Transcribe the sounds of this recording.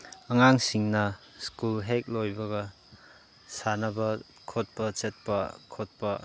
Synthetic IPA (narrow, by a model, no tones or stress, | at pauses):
ɐŋaŋsiŋnɐ | skulɦek̚lojbɐɡɐ | sanɐbɐ | kʰot̚pɐt͡ʃet̚pɐkʰot̚pɐ